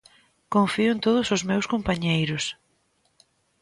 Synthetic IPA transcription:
koɱfiʊnt̪oðʊsʊzmewskompaɲejɾʊs

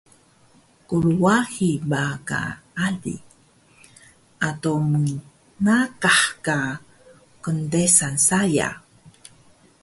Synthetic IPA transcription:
kuluwahibaka̰alḭ | atomə | nakaħka | kəndesansaja̰

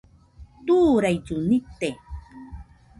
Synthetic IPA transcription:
t̪uːɾajt͡ʃunit̪ːe

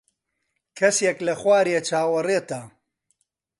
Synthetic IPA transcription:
kʰɐsjeklɐχwaːɾiet͡ʃaːwɐreːt̪a

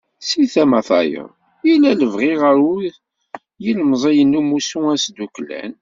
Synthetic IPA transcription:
siθæmæθˤɑjə̰ | ilæləvʁiʁəɾuð | jilmzˤijənːumusuæsd̪uklæ̰n

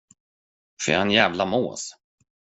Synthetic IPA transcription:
fœ̰a̰ɛnjæːvlamo̰ːs

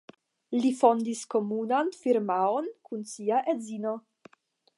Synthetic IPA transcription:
lifond̪iskomunanfiɾmaonkunsiaʔezino

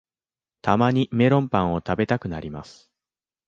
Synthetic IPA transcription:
t̪amaɲ̟ime̞ɾõ̞mpãɰ̃o̞t̪abe̞t̪akɯ̟naɾʲimasɨ̥

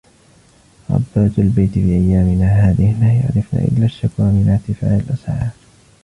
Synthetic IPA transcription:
ɾˤɑ̰bːaːt̪albajt̪ɪfiːʔajːaːmɪnaːɦaːðɪhlaːja̰ʕɾɪfna̰ːʔɪ̰lːaːʃːakɾamɪnaʕt̪ɪfa̰ːʔɪlʔasʕaː

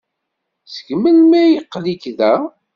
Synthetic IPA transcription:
t͡sə̥ɡməlmæjəqːlikðæ

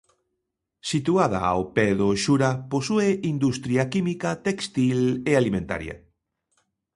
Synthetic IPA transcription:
sit̪uaða̰a̰opɛðoʃuɾaposueind̪ust̪ɾjakimikat̪ekst̪ilealimẽnt̪a̰ɾjɐ̰

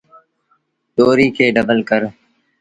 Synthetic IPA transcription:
t̪oːɾiːkʰeːɖəbəlkəɾ

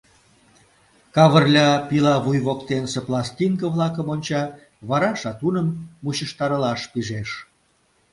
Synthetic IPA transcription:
kɑβərlʲɑpilɑβujβokt̪enseplɑst̪ʲiŋkəβlɑkəmonʲt͡ɕɑ | βɑɾɑʃɑt̪unəmːuɕəʃt̪ɑɾəlɑʃpiʒeʃ

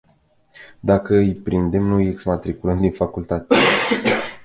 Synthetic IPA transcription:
d̪akəɨjpɾind̪e̞mnujeksmat̪ɾikulənd̪infakult̪at̪e

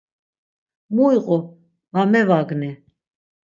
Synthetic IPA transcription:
muiqʼɔ | vamɛvaɡni

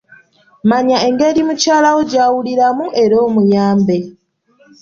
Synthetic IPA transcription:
maɲae̞ŋɡe̞ɾimucaːlawoɟaːwuliɾamuʔe̞ɾoːmujaːmbe̞

